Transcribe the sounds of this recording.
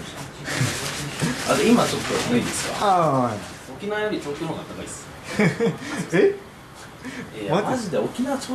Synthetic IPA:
at̪oimat͡ɕot̪ːosnaid̪esɨ̥ka̰aa | okʲinaβjoɾʲit͡ɕoːt̪ʲoɦoːnat̪ːakais | e | emamazid̪eokʲinaβat͡ɕoː

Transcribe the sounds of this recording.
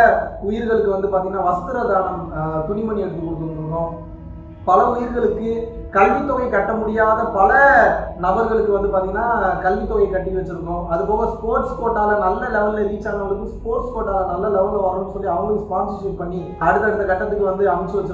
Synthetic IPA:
ʊjɪɾɣɐɭɯkːɯʋɐnd̪ɯpaːɾt̪iŋɡɐnːaːʋɐst̪ɯɾɐlaːnɐmt̪ʊɳɪmɐɳiɛɽɯt̪ːɯkɔɽɯk̪ːɯɾɯɯɾɯkːõː | pɐlɐʊjɪɾɣɐɭɯkːɯ | kɐɭʋit̪ːɔɣɐɪkɐʈːɐmʊɽɪjaːðɐpɐlɐnɐbɐɾɣɐɭɯkːɯʋɐnd̪ɯp̬aːɾt̪iŋɡɐnːaːkɐɭʋit̪ːɔːɣɐkɐʈːiʋɐt͡ʃːɯɾɯkːõːɐðɯpoːɣɐspoːɾʈspoːʈːaːlɐnɐlːɐlɛʋɐlɪlɐɾiːt͡ʃːaːɾnɐɐɭɯkːɯ̃spoːɾʈspoːʈːaːlɐnɐlːɐlɛʋɐllɐʋaːɾɯnːɯsɔlːiɐʋɐŋɡɐɭɯkːɯspaːnsɐsuːʈ̚pɐɳːi | ɐɽɯt̪ːɐɽɯt̪ːɐkɐʈːɐt̪ːɯkːɯʋɐnd̪ɯɐmɐt͡ʃːɯʋɐt͡ʃː

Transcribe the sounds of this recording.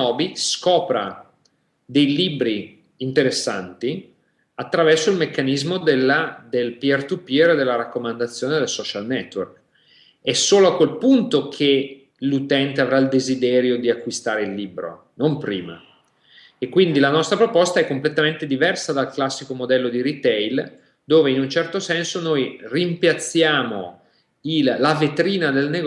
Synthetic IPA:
ɔːbiskɔːpɾa̰ | d̪ejlibɾiː | nt̪eɾesːa̰nt̪i | at̪ːɾavɛrsoilmekːanizmod̪elːad̪elpiɛrt̪upiered̪ːelːaɾakːomand̪at̪sːjoːned̪elsɔt͡ʃalnɛt̪ːwork | ɛsoːloakːwelpunt̪okʰe | lut̪ɛnt̪eavɾaild̪ezid̪ɛːɾjod̪iakːwist̪aːɾeilːiːbɾo̰ | nompɾḭːma̰ | ekːwind̪ilanɔst̪ɾapɾopɔst̪aɛkːomplet̪ament̪ed̪ivɛrsad̪alklasːikomod̪ɛlːod̪iɾit̪ɛjl | d̪oːveinunt͡ʃɛrt̪osɛnsonojrimpjat̪sːjaːmo̰ | ilːavet̪ɾiːnad̪elneɡ

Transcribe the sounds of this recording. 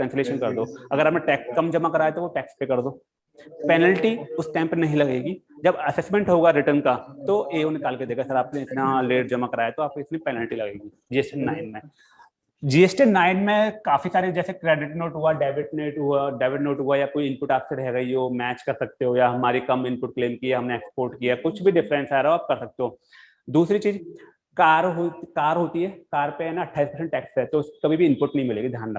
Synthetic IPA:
ʈɾɛ̃nsleːʃənkɐɾd̪oːɐɡəɾapneʈɛːkskɐmd͡ʒɐmakɐɾaːet̪oʋoʈɛːkspekɐɾd̪oː | pɛːnəlʈiʊsʈɛ̃ːmpnɐɦĩlɐɡeːɡi | d͡ʒɐbɐsɛsmẽɳʈɦoːɡaɾɪʈənkat̪oʔeːonɪkaːlked̪eːkʰasɐɾaːpnẽɪt̪naleːʈd͡ʒɐmakɐɾaːjet̪oaːp̚koɪt̪nipɛːnəlʈilɐɡeːɡi | d͡ʒiːesʈinaːɪnmẽ | d͡ʒiːesʈinaːɪnmẽkaːfisaːɾed͡ʒɛːsekɾeːɖɪʈnoːʈɦuaɖaːʋɪʈneːʈɦuaɖaːʋɪʈnoːʈɦuajakoːiɪ̃npʊʈaːpseɾɐɦeɡɐiomɛːt͡ʃkɐɾsɐk̚t̪eɦojaɦɐmaːɾikɐmɪ̃npʊʈ̚kleːmkieɦɐmneeːkspoːɾʈkijakʊt͡ʃʰbʱiɖɪfɾɛ̃nsaːɾeɦoaːp̚kɐɾsɐk̚t̪eɦoː | d̪uːsɾit͡ʃiːz | kaːɾɦokaːɾɦoːt̪iɦɛːkaːɾpeɦɛːnaɐʈʰːaːispɐɾs̬ɛ̃ɳʈɛːksɛɦt̪oʊskɐbʱibʱiɪ̃mpʊʈnɐɦĩmɪleːɡid̪ʱjaːnlɐ

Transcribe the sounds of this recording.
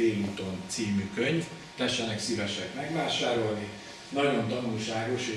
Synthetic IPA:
eːluːt̪o̞nt̪siːmykøɲv | t̪ɛɛʃɛnɛksivɛʃɛbmɛɡvaːʃaːɾo̞lni | nɒɟo̞nt̪ɒnulʃaːɡo̞ʃ

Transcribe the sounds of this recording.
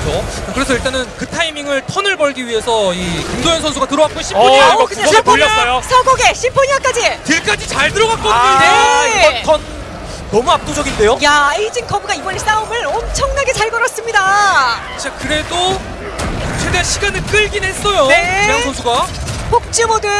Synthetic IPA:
ot͡ɕakɯɾe̞sʰʌiɭt͈anɯnkɯtʰaimiŋɯɭtʰʌnɯɭbʌɭɡiɥiɦe̞sʰʌikuŋdojʌnsʰʌnsʰuɡatɯɾʌɡatk͈oiɕʰimpʰokɯɲapʰoʎːʌs͈ʌjosʰʌɡoɡe̞ɕʰimpʰoɲiak͈ad͡ʑitiɭk͈ad͡ʑit͡ɕaɭtɯɾʌɡak͈ʌideʌkʌnː | ʌmuap̚t͈od͡ʑʌɡinde̞jojaeid͡ʑiŋkʰʌbɯɡaibʌɭɕʰisaumɯɭʌmt͡ɕʰʌŋnaɡe̞t͡ɕaɭɡʌɾʌs͈ɯmɲida | t͡ɕiakɯɾe̞do | t͡ɕʰedeanɕʰiɡanɯɭk͈ɯɭɡinɦe̞s͈ʌjoneaŋsʰʌnsʰuɡapʰok̚t͡ɕ͈imodɯ

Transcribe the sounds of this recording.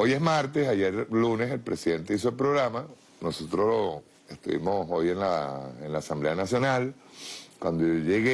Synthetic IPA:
o̞jezmaɾt̪e̞saʝeɾlune̞se̞lpɾe̞siðe̞nt̪e̞is̬oelpɾo̞ɣɾama | no̞so̞t̪ɾoslo | e̞st̪ṵβḭmo̞so̞jenlaenlaːsamble̞anasjo̞nal | kwand̪ooʝeɣe

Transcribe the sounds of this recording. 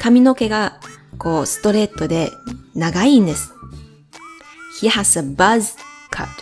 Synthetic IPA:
kamʲino̞ke̞ɡako̞ːsɨ̥t̪o̞ɾe̞t̪ːo̞d̪e̞naɡaind̪e̞sɨ̥ | çiahasabazɨkʰa̰t̪

